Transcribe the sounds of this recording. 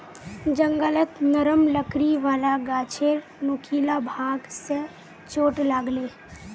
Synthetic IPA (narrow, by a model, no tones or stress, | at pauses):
d͡ʒə̃ŋɡələt̪nəɾəmləkɾiʋaːlaɡaːt͡ʃʰeɾ | nʊkʰiːlabʱaːɡse | t͡ʃoːʈlaɡleː